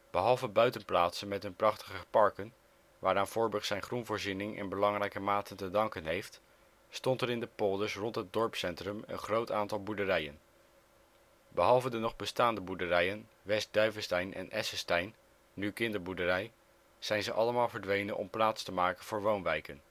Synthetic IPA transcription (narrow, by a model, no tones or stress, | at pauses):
b̥əɦɑlˠvəbœɥtənplaːtsənmɛtənprɑχtə̥χəpɑɹkən | ʋaːɹaːnv̥ʊːɹbɵχtsɛjnχrunvʊːɹzinɪŋʔɛ̰nbəlɑŋrɛjkəmaːtəntədɑŋkənɦejft | stɔntɛɾɪndəpɔːdəsrɔntɦətd̚dɔɹpsɛntrɵmə̰nχrowtaːntɑlˠbuɹdərɛjə̰n | bəɦɑlˠvədənɔχbəstaːndəbudərɛjən | ʋɛs̚dœɥvəstɛjnʔɛ̰nʔɛsəstɛjnː | ykɪndəɹbudərɛj | z̥ɛjnzəʔɑləmaːlˠvəɹdʋejnənʔɔ̰mplaːtstəmaːkənv̥ʊːɹʋownʋɛjkən